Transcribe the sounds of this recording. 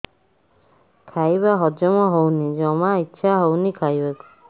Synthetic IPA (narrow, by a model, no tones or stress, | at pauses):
kʰajbaɦɔd͡ʒɔmɔɦownid͡ʒɔmaitːʃʰaɦownikʰajbaku̥